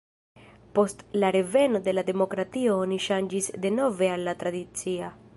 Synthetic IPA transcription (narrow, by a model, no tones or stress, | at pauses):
po̞stlaɾe̞ve̞no̞de̞lade̞mo̞kɾatio̞oniʃand͡ʒisde̞no̞ve̞alːat̪ɾadit͡sia